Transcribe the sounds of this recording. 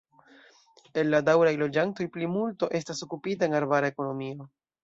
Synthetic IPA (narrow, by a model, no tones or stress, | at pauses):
e̞lːadawɾajlo̞d͡ʒanto̞jplimulto̞ʔe̞staso̞kupitaenaɾbaɾae̞ko̞no̞mio̞